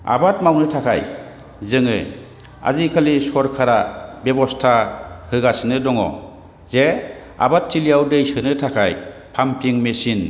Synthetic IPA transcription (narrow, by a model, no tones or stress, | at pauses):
a̰bat̚mawnɯtʰakʰa̰j | zɯŋɯ̰ | a̰zikʰalisɔɾkʰaɾabebɔstʰahɯɡasɯnɯdɔŋɔ̰ | ze | a̰batʰːilijawdejsɯnɯtʰakʰajpʰampʰiŋmesin